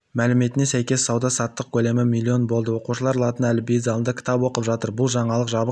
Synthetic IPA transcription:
mælɪme̞t̪ɪne̞sæjkʲe̞sɑwd̪ɑsɑt̪ːəq̚kʲʰɵle̞mɪmilʲːio̞nbo̞lˠd̪əwo̞quʃəlˠɑɾɑlˠɑt̪ənælɪbejd̪zɑlˠənd̪əkʲʰɪ̥t̪ɑpwo̞qəpʒɑt̪əɾbʊlˠʒɑɴɑlˠəqʒɑbəq

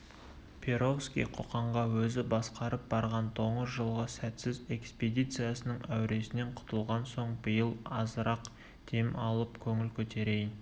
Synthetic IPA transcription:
pʲʰe̞ɾofskʲḭjqʰo̞̰qɑɴʁɑwɵzɪbɑsqɑɾəp̚bɑɾʁɑnt̪ʰo̞ɴəzʒəlˠʁəsæt̪sɪze̞ksped̪ijt̪sɨjasənəɴæwɾe̞sɪne̞ɴqʰʊ̥t̪əlˠʁɑnso̞ɴbəjəlˠɑzəɾɑq | d̪̥ʰe̞mɑlˠəpkʲʰɵŋɪlkʲʰɵt̪e̞ɾe̞jɪn

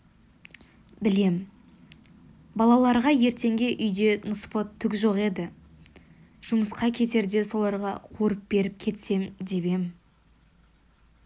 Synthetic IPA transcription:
bɪle̞m | bɑlˠɑlˠɑɾʁɑje̞ɾt̪e̞ŋɡʲe̞ʔʏjd̪e̞nəspot̪ʰːʏkʲʒoqe̞d̪ɪ | ʒ̥ʊməsqɑkʲʰe̞t̪e̞ɾd̪e̞so̞lˠɑɾʁɑ̰qʰuɾəp̚be̞ɾɪp̚kʲʰe̞t̪se̞md̪e̞be̞mɪ

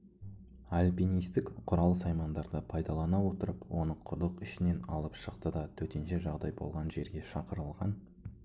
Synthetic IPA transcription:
alʲpijnijst̪ɪkqʰʊɾɑlˠəsɑjmɑnd̪ɑɾd̪əpʰɑjd̪ɑlˠɑnɑwo̞t̪əɾəpwo̞nəɴqʰʊɾlˠəqɪʃɪne̞nɑ̰lˠəpʃəqt̪əd̪ɑt̪ʰɵt̪e̞nʃe̞ʒɑʁd̪ɑjbolˠʁɑnʒe̞ɾɡʲe̞ʃɑqəɾəlˠʁɑn

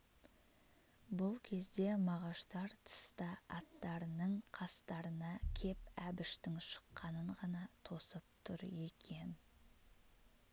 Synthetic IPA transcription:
bʊlˠkʲʰe̞zd̪e̞mɑʁɑʃt̪ɑɾt̪ʰə̥st̪ɑɑt̪ːɑɾənəɴqʰɑst̪ɑɾənɑkʲʰe̞pæbɪʃt̪ɪŋʃə̥qːɑnəɴʁɑnɑt̪ʰo̞səp̚t̪ʰʊɾje̞kʲʰe̞n

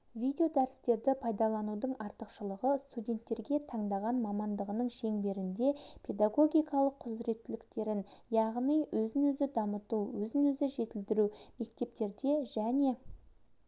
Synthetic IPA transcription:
vʲijd̪ʲeo̞d̪æɾɪst̪e̞ɾd̪ɪpʰɑjd̪ɑlˠɑnud̪əɴɑɾt̪əqʃəlˠəʁəst̪udʲe̞nt̪ːe̞ɾɡʲe̞t̪ʰɑɴd̪ɑʁɑnmɑmɑnd̪əʁənəɴʃe̞ŋbe̞ɾɪnd̪e̞pʰe̞d̪aɡo̞ɡʲijkɑlˠəqʰːʊzɾe̞t̪ːɪlɪkt̪e̞ɾɪnjɑʁnijwɵzɪnwɵzɪd̪ɑmət̪uwwɵzɪnwɵzɪʒe̞t̪ɪld̪ɪɾume̞kt̪e̞p̚t̪e̞ɾd̪e̞ʒæne̞

